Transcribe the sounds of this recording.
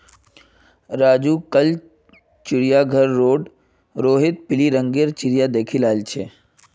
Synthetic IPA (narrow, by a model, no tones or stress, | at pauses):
ɾaːd͡ʒuːkəl | t͡ʃɪɾijaɡʱəɾːoːɖ | ɾoːɦɪt̪̚pɪliɾə̃ŋɡeːɾt͡ʃɪɾijad̪eːkʰilaːɪlt͡ʃʰeː